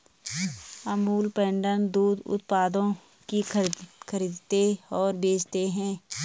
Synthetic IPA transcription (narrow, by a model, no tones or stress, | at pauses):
əmuːlpɛ̃ːɳɖənd̪uːd̪ʊ̰t̪paːd̪õ | kikʰəɾiːd̪t̪eɔːɾbeːd͡ʒt̪eɦɛ̃ː